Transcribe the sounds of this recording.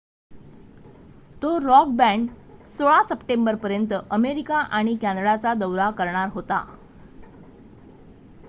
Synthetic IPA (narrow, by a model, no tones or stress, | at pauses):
t̪oɾɔk̚bæ̃ɳɖsoɭasəpʈembəɾpəɾjənt̪əʔəmeɾikaʔaɽ̃ikæ̃nd̪ɽat͡sad̪əwɾakəɾɳaɾɦot̪a̰